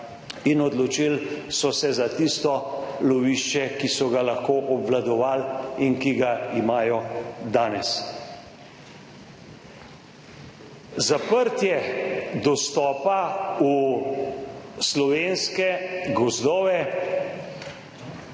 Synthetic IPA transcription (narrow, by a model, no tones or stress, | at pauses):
inɔd̪lɔt͡ʃilsɔsɛzat̪ist̪ɔlɔʋiʃt͡ʃɛkisɔɡalaxkoːʔɔbʋlad̪ɔʋaːlinkiɡaimaːjɔd̪aːnɛs | zapəɾt̪jɛd̪ɔst̪ɔːpau | slɔʋeːnskɛɡɔzd̪ɔːʋɛ